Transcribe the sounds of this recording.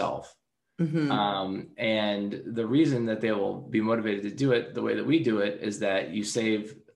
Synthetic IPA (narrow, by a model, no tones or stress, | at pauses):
ɛ̰lˠf̩ | ʌ̃mɨ̃nðɨɹizɨ̃nðɨt̪̚ðeɪwɪlˠbimoʊɾɨveɪɾɨd̚tʰɨdɨɪt̪̚ðəwḛɪðɨt̚widɨɪɾɪ̰zðɨt͡ʃɨseɪv̥